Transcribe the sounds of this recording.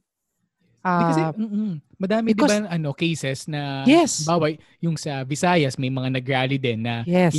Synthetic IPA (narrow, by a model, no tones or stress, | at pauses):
akɐssɛm̩ːmɐd̪aːmɪd̪ɪɐʔɐno̞kɛjsɛsnɐɛbaːwɐj | jʊŋsɐvɪsaːjɐsmɐjmɐŋanɐɡɾaːlɪd̪ɛnːɐjɛ